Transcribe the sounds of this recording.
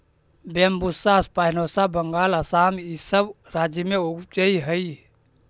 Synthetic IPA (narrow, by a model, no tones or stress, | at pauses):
bembusaspaːinoːsabəŋɡaːləsaːmisəbɾaːd͡ʒəmẽokt͡ʃəiɦəi